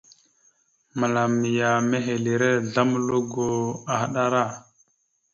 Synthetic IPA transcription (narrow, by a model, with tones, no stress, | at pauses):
ma˨la˨mːi˨ja˨me˦ɦe˨li˨ɾe˦ɮa˦mlo˦ɡo˦a˨ha˦ɗa˦ɾa˦˨